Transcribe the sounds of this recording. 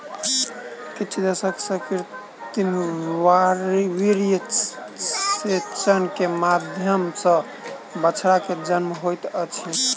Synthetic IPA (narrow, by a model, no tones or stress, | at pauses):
kit͡ʃʰud̪əsəksəkiɾ | t̪imwaɾiwiɾij | set͡ʃənkemad̪ʱjəmsə̃ | bət͡ʃʰɾaked͡ʒənmɦojt̪ət͡ʃʰi